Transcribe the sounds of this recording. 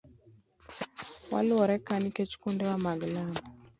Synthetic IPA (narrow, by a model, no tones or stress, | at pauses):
wa̰lʊɔɾɛkaniket͡ʃkundɛwamaɡlam